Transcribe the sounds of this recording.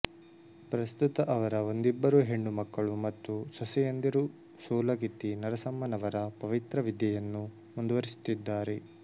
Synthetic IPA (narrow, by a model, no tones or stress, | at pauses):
pɾɐst̪ut̪ɐʔɐʋɐɾɐo̞nd̪ibːɐɾuɦe̞ɳːumɐkːɐɭumɐt̪ːusɐsɛjɐnd̪iɾu | suːlɐɡit̪ːinɐɾɐsɐmːɐnɐʋɐɾɐpɐʋit̪ɾɐʋid̪jɐjɐnːu | mund̪uʋɐɾisu̥t̪ːid̪ːaːɾe